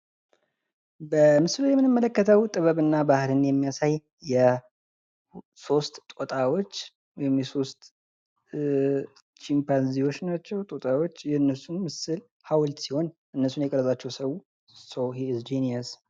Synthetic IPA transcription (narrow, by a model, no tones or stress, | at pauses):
bəmɨsɨlujɛmːɨnɨmːələkːət̪ʰəwt̪ʼɨβəβɨnːabahlɨnjɛmːijasaj | jɛ | so̞st̪t̪ʼot̪ʼawo̞t͡ʃː | wɔjhɪmjɛso̞st̪ʼ | t͡ʃimpanziwo̞t͡ʃːnat͡ʃːɛwt̪ʼot̪ʼawo̞t͡ʃːjɛɨnːəsunmɨsɨl | hawlt̪siho̞nʔɨnːəsunjɛkʼəɾəzat͡ʃːɛwsəw | sohizd͡ʒiniəs